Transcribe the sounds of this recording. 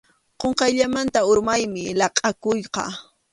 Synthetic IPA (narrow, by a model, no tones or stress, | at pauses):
qoɴqɑjʎamant̪aʊɾmajmɪlɑqʼɑkʊjqɑ̰